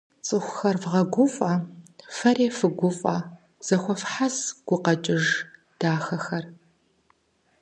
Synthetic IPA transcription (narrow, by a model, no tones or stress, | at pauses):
t͡sʼɨxʷʊxɐrvʁɐɡʷʊfʼɐfɐɾeːfɨɡʷʊfʼɐ | z̥ɐxʷɔfħazɡ̥ʷʊqɐt͡ʃʼɪʒ | d̥aːxɐxɐr